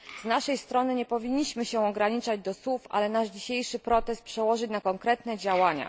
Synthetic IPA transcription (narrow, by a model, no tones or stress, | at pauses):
znaʂɛjst̪ɾɔnɘɲɛpɔvʲiɲːiɕmɘɕɛ̃ɔɡɾaɲit͡ʂad͡ʑd̪ɔswufa̰lɛnaʐd͡ʑiɕejʂɘpɾɔt̪ɛst̪pʂɛwɔʐɘt͡ɕnakɔŋkɾɛt̪nɛd͡ʑawaɲa̰